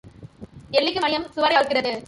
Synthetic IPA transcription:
ɛɭːɪkːɯmɐnɪjɐmsʊʋɐɾɐjaːɭkɪrɐðɯ

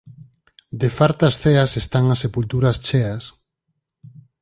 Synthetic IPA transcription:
d̪efaɾt̪ɐsθeɐsest̪aŋɐsːepult̪uɾɐst͡ʃeas

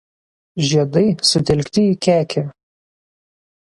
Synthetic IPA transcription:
ʒʲiɛd̪ɐɪsʊt̪ʲɛlʲkt̪ʲɪikʲæːkʲʰɛ

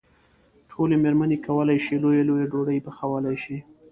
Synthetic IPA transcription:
ʈʰolemeɾmanekawəlajʃilojalojaɖoɽəjbaxawəlajʃi

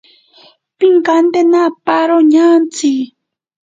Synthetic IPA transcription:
piŋkand̪enapaɾoɲant͡si

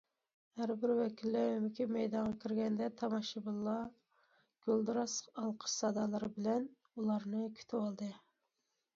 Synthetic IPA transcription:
hæɾbɪɾwɛkʲʰilːæɾymɪkʲʰimɛjd̪ɑɴʁɑkʲʰiɾɡʲɛnd̪ɛt̪ʰɑmɑʃɨbɨlˠːɑ | ɡ̥ʲølˠd̪ɨɾɑsqɑlˠqʰə̥ʃsɑd̪ɑlˠɨɾɨbɪlɛn | ulˠɑɾnɨkʲʰy̥t̪ʰɪwɑlˠd̪ɨ

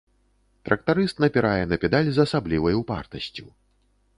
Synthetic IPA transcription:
t̪ɾʔɐk̚t̪aɾɨst̪nɐpʲiɾajɛnɐpʲɛd̪alʲzɐsablʲivɐjwpa̰rt̪ɐsʲt͡sʲu

